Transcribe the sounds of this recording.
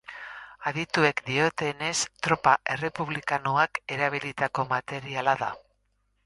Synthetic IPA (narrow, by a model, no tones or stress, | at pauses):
aðit̪ue̞kd̪io̞t̪e̞ne̞st̪ɾo̞paʔe̞re̞puβlikanoake̞ɾaβ̞ilit̪ako̞mat̪e̞ɾialaða̰